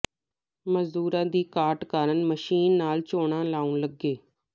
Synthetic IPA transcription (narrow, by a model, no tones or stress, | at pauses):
məzd̪uːɾãːd̪iːkaːʈkaːɾənməʃiːnːaːlt͡ʃoːɳãːlaːũːnləɡːeː